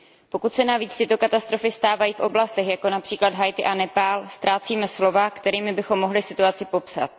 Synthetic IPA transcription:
po̞kut̪sɛnaviːt͡st̪ɪt̪o̞kat̪ast̪ɾo̞fɪst̪aːvajiːfʔo̞blast̪ɛxjako̞napr̝̥iːklad̪ɦajt̪ɪʔanɛpaːlst̪ɾaːt͡siːmɛslo̞vakt̪ɛɾiːmɪbɪxo̞mːo̞ɦlɪsɪt̪uat͡sɪpo̞psa̰t̪̚

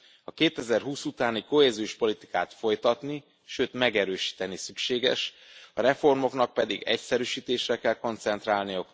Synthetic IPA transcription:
ɒkeːt̪ɛzɛrɦuːsut̪aːniko̞ɦɛzijoʃpo̞lit̪i̥kaːt̪fo̞jt̪ɒt̪ni | ʃøːt̪mɛɡɛɾøːʃi̥ːt̪ɛnisykʃeːɡɛ̰ʃ | ɒɾɛfo̞rmo̞knɒk̚pɛd̪iɡɛ̰csɛɾyːʃiːt̪eːʃrɛkɛlko̞nt̪sɛnt̪raːlnijɒ

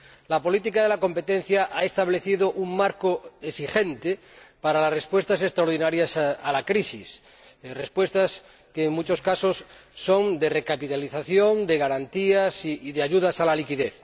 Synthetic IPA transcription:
lapo̞lit̪ikaðe̞lako̞mpe̞t̪en̟θjaʔae̞st̪aβ̞le̞θiðoʔuŋmaɾkoesixent̪epaɾalasrespwe̞st̪as̬e̞st̪ɾaoɾð̞inaɾjasalakɾisis | respwe̞st̪as | keːŋmut͡ʃo̞skasosːond̪erekapit̪aliθaθjõnd̪e̞ɣaɾant̪iasiːðeaʎuðasalalikiðeθ

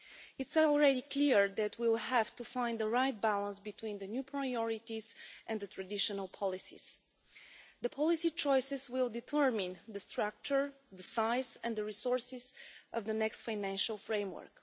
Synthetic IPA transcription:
ɪtslˠɹɛdikliɹðæt̪ʰwilˠɦævt̪ufãɪ̃nd̪əɹajt̪̚bælˠə̃nsbit̪wĩnðənjupʰɹaɪɔɹit̪izʔɛ̃nd̪d̪ət̪ɹad̪ɪʃənəlˠpʰɑlisḭz̥ | ðəpʰɑlˠisit͡ʃɔjsɨzwɪlˠdɪt̪ʰɜɹmɪ̃nðəst̪ɹak̚t͡ʃəɹ | ðəsaɪzɛ̃nðəɹisɔɹsɪz̥ʔʌvðənɛkstfaɪnæ̃nʃəlˠfɹẽɪ̃mwə̰˞k

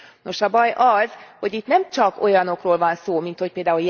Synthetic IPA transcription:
no̞ʃɒbɒjʔɒz̥ho̞ɟit̪nɛmt͡ʃɒko̞jɒno̞kroːlvɒnsoːmint̪ho̞c̚peːld̪aːulj

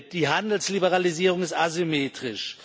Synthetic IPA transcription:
d̥iːɦandl̩slibəʁaliziːʁ̞ʊŋɪstazimeːtʁ̥ɪʃ

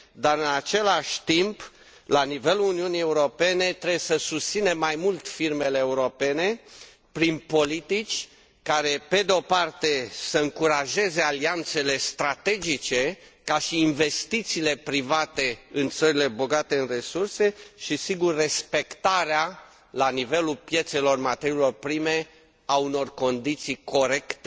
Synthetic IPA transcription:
d̪aɾɨnat͡ʃe̞laʃʲt̪imp | lanive̞luluniunije̞uɾo̞pe̞ne̞t̪ɾebjesəsust̪sinemːajmult̪firme̞leːuɾo̞pe̞ne̞ | pɾinpo̞lit̪it͡ʃʲ | kaɾe̞pe̞d̪eo̞part̪e̞səɨŋkuɾaʒe̞ze̞aliant̪se̞le̞st̪ɾat̪e̞d͡ʒit͡ʃe̞kaʃiːnve̞st̪it̪siːle̞pɾivat̪e̞ɨnt̪səɾile̞bo̞ɡat̪e̞ɨnre̞surse̞ʃisiɡurːe̞spe̞kt̪aɾea | lanive̞lulpje̞t̪se̞lo̞rmat̪eɾilo̞rpɾime̞ | auno̞rko̞nd̪it̪sijko̞ɾe̞kt̪e

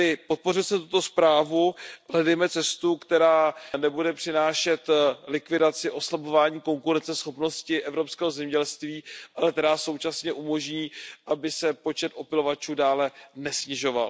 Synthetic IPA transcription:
ɪpo̞t̪̚po̞rɪlsɛmt̪ut̪o̞spɾaːvuɦlɛdɛjmɛt͡sɛst̪ukt̪ɛɾaːnɛbudɛpr̝̥ɪnaːʃɛt̪lɪkvɪdat͡sɪʔo̞slabo̞vaːɲiːko̞ŋkuɾɛnt͡sɛsxo̞pno̞scɪʔɛvɾo̞pskɛːɦo̞zɛmɲɛɟɛlst̪viːalɛk̚t̪ɛɾaːso̞wt͡ʃasɲɛʔumo̞ʒɲiːʔabɪsɛpo̞t͡ʃɛt̪ʔo̞pɪlo̞vat͡ʃuːdaːlɛnɛsɲɪʒo̞va̰l

